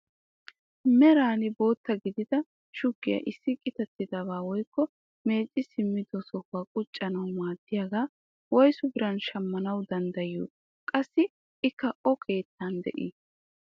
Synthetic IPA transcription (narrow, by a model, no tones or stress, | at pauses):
mɛɾaːnɪbo̞ːt̪ːɐɡɪd̪ɪd̪ɐ | ʃʊɡːɪjɐ̰ʔɪsːɪkʼɪt̪ɐt̪ːɪd̪ɐbaːwɔjkːɔ | me̞ːt͡ʃʼːɪsɪmːɪd̪ɔsɔhaːkʼʊt͡ʃʼːɐnɐwmaːd̪̥ːɪjaːɡaː | wɔjsʊbɪɾɐnʃɐmːɐnɐwd̪ɐnd̪ɐjṵː | kʼɐsːɪ | ɪkːɐʔɔkʰe̞ːt̪ʰːand̪ɛ̰ʔḭː